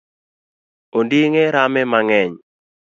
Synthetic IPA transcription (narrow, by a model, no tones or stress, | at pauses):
ondiŋeɾamɛmaŋɛɲ